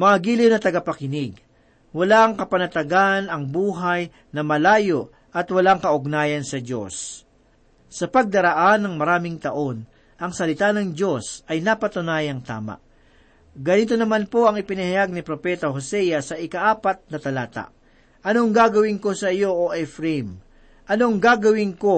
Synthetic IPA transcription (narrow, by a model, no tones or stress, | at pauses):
mɐŋaɡiːlɪwnɐt̪ɐɡɐpɐkɪnɪɡ | wɐlaŋkɐpɐnɐt̪ɐɡanɐŋbuːɦaj | nɐmɐlaːjo̞ʔ | ʔɐt̪wɐlaŋkɐʔʊɡ̚naːjɐnsɐd͡ʒo̞̰s | ɐpɐɡ̚d̪ɐɾɐʔanːɐŋmɐɾaːmɪŋt̪ɐʔo̞n | ʔɐŋsɐlɪt̪anɐŋd͡ʒo̞sʔɐjnapɐt̪ʊnaːjɐŋt̪a̰ːma̰ʔ | ɡɐnit̪o̞nɐmanpo̞ʔɐŋɪpɪnɐhɐjaɡ̚nɪpɾo̞pɛt̪ɐhosɛjɐsɐʔɪkɐʔaːpɐt̪̚nɐt̪ɐlaːt̪a̰ʔ | ʔɐno̞ŋɡaːɡɐwɪŋko̞sɐɪjo̞ʔoʔɛfɾɛm | ʔɐno̞ŋɡaːɡɐwɪŋko̞